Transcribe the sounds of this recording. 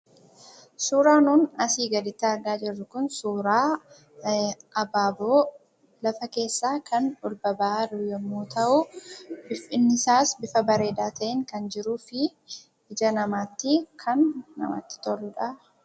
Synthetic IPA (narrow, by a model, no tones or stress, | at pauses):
suːɾaːnuːnɐsiːɡɐd̪ɪt̪ːɪɐɾɡaːd͡ʒɪrːʊkʊnsuːɾaː | ʔɐbaːboː | lɐfɐke̞ːsːaːkʰɐnᶑʊlbɐbɐʔɐɾʊjɛmːuːt̪ʰɐʔʊbɪfɪnːɪsaːsbɪfɐbɐɾe̞ːd̪aːt̪ɐʔɪŋkɐnd͡ʒɪɾuːfɪ | ɪd͡ʒɐnɐmaːt̪ːɪkʰɐnːɐ̰ma̰ːt̪ːɪ̥t̪ɔrʊᶑa